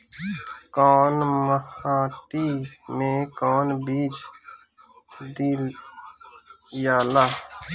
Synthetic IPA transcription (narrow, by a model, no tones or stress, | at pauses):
koːnməhãːʈiːmẽːkoːnbiːd͡ʒ | d̪il | jaːlaː